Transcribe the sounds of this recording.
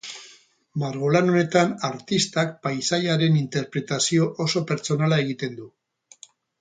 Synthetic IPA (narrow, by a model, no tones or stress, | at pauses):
maɾɣ̞olano̞ne̞t̪anaɾt̪ist̪ak̚pajsajaɾe̞nint̪e̞ɾpɾe̞t̪asio̞ʔoso̞pe̞ɾt͡so̞nalae̞ɣ̞it̪e̞nd̪u